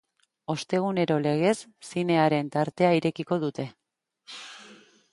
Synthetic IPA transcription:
o̞st̪e̞ɣ̞une̞ɾo̞le̞ɣ̞e̞sːine̞aɾe̞nt̪aɾt̪e̞aiɾe̞kiko̞ðut̪e̞

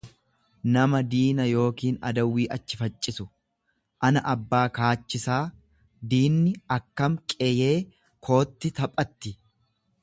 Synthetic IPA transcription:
nɐmɐd̪iːnɐjo̞ːkiːnɐ̰d̪ɐwːiːʔɐt͡ʃːɪfɐt͡ʃʼːɪsʊ | ʔɐnɐʔɐbːaːkaːt͡ʃːɪsaː | d̪iːnːɪɐkːɐmkʼeje̞ː | kʰo̞ːt̪ːɪt̪ɐpʼːɐt̪ːɪ

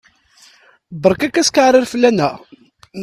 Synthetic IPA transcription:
bəɾˤkækːæskaʕɾˤɪɾfəlːænːæ

